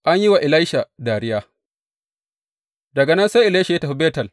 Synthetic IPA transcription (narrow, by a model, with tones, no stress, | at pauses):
ʔa˦ɲji˦wa˨ʔɪ˨la˦ʃa˨daː˨ɾɪ˦jaː˦ | dɐ˨ɡɐ˨nɐ˦nsa˦ʔɪ˨la˦ʃa˨je˦ta˨ɸu˦beː˦tɐ˨l